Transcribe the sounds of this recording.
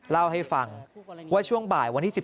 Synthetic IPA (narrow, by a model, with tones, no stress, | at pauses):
la˥˩wɦa˥˩jfa˧ŋwaː˥˩t͡ɕʰu˥˩əŋbaː˨˩jwa˧ntʰiː˥˩si˨˩